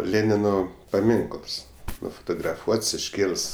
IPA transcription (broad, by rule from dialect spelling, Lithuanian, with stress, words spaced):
ˈlʲeːnʲɪnoː pɐˈmʲɪŋklˠs nʊfoːtoːɡrɐˈfuɔts ɪʃʲˈkʲeːlˠɘs